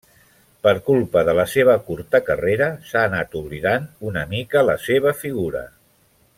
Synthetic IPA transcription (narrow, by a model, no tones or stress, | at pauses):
pəɾkulˠpəðələseβ̞əkuɾt̪əkəreɾəsaːnat̪uβliðanunəmikələseβ̞əfiɣ̞uɾə̰